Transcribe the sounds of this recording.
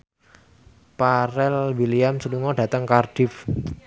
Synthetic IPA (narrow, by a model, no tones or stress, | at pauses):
paɾɛlwiliamsuluŋɔɖä̤t̪əŋkard̥ɪf